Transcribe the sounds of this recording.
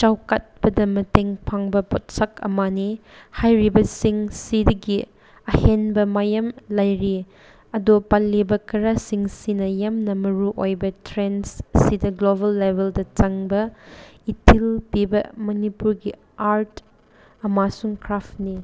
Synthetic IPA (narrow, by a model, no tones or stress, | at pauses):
t͡ʃawkat̚bɐdɐmɐteŋpʰaŋbɐpɔt̚sakɐ̰manihajɾibɐsiŋsidɐɡi | ɐhenbɐmajɐmlɐjɾi | ɐdopalːibɐkɐɾasiŋsinɐjamnɐmɐɾuʔojbɐtʰɾenssidɐɡlobɐlːebeldɐt͡ʃɐŋbɐitʰilpibɐmɐnipuɾɡi | aɾt | ɐmasuŋkʰɾapni